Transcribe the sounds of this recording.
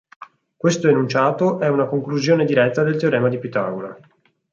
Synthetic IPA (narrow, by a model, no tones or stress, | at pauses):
kwest̪oenunt͡ʃaːt̪oʔɛunakoŋkluzjoːned̪iɾɛt̪ːad̪elt̪eoɾɛːmad̪ipit̪a̰ːɡola